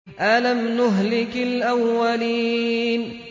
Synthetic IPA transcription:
ʔalamnʊɦlɪkɪlʔawːaliːn

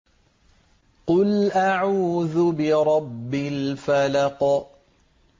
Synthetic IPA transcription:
qʊlʔaʕuːðʊbɪɾˤɑbːɪlfalɑq

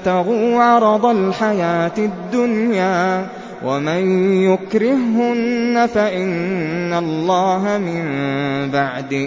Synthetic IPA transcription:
t̪aɣuːʕɑɾˤɑd̪ˤalħajaːt̪ɪd̪ːʊnjaː | wamanjʊkɾɪhʊnːafaʔɪnːalːɑːɦamɪmbaʕd̪ɪ

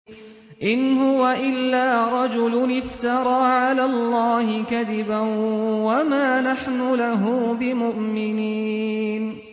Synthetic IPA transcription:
ʔɪnɦʊwaʔɪlːaːɾˤɑd͡ʒʊlʊnɪft̪ɑɾˤɑːʕalaːlˤːɑːhɪkaðɪbanwamaːnaħnʊlaɦuːbɪmʊʔmɪniːn

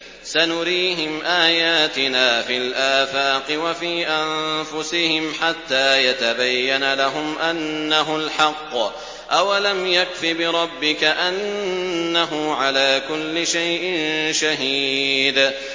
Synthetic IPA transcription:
sanʊɾiːɦɪmʔaːjaːt̪ɪnaːfilʔaːfaːqɨwafiːʔanfʊsɪhɪmħat̪ːaːjat̪abajːanalaɦʊmʔanːaɦʊlħɑqː | ʔawalamjakfibɪɾˤɑbːɪkaʔanː | aɦʊʕalaːkʊlːɪʃajʔɪnnʃaɦiːd̪

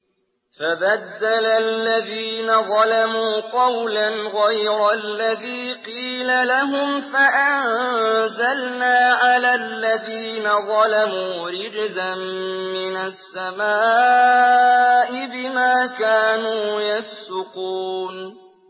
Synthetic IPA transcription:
fabad̪ːalalːaðiːnaðˤɑlamuːqɑwlanɣajɾalːaðiːqiːlalaɦʊmfaʔanzalnaːʕalaːlːaðiːnaðˤɑlamuːɾɪɡzanmɪnasːamaː | ʔɪbɪmaːkaːnuːjafsʊquːn

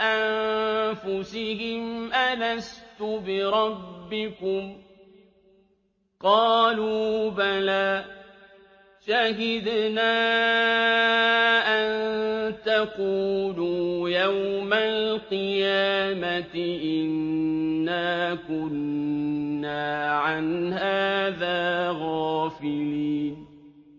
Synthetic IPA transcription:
ʔanfʊsɪhɪmʔalast̪ʊbɪɾˤɑbbːɪkʊm | qɑːluːbalaː | ʃahɪd̪naː | ʔant̪aquːluːjawmalqɨjaːmat̪ɪʔɪnː | aːkʊnː | aːʕanhaːðaːɣaːfɪliːn

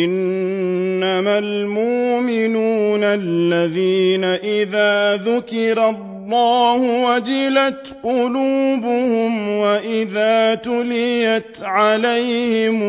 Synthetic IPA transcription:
ʔɪnː | amalmʊʔmɪnuːnalːaðiːnaʔɪðaːðʊkɪɾɑlˤːɑːhʊwad͡ʒɪlat̪qʊluːbʊhʊmwaʔɪðaːt̪ʊlɪjat̪ʕalajhɪm

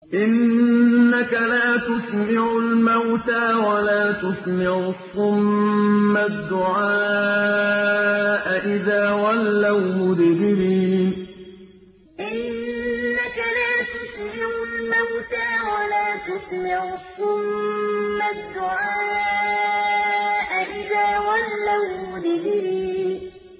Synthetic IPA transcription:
ʔɪnː | akalaːt̪ʊsmɪʕʊlmawt̪aːwalaːt̪ʊsmɪʕʊsːʊmː | ad̪ːʊʕaː | ʔaʔɪðaːwalːawmʊd̪bɪɾiːn | ʔɪnː | akalaːt̪ʊsmɪʕʊlmawt̪aːwalaːt̪ʊsmɪʕθʊmː | ad̪ːʊʕaː | ʔaʔɪðaːwalːawmʊd̪bɪɾiːn

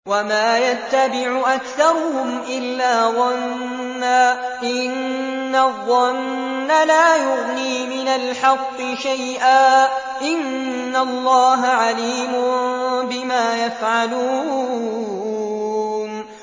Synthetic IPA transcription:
wamaːjat̪ːabɪʕʊʔakθɑɾˤʊhʊmʔɪlːaːðˤɑnnː | aːʔɪnː | aðˤːɑnː | alaːjʊɣniːmɪnalħɑqːɨʃajʔaː | ʔɪnː | alˤːɑːɦaʕaliːmʊbɪmaːjafʕaluː | n

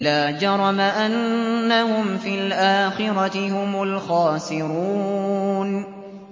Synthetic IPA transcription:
laːd͡ʒɑɾˤɑmaʔanːahʊmfiːlʔaːxɪɾɑt̪ɪhʊmʊlxaːsɪɾuːn

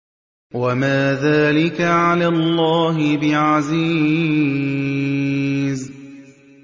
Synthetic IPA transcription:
wamaːðaːlɪkaʕalaːlˤːɑːɦɪbɪʕaziː | z

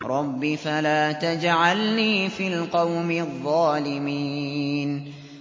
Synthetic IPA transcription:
ɾˤɑbːifalaːt̪ad͡ʒʕalniːfiːlqɑwmɪðˤːɑːlɪmiːn

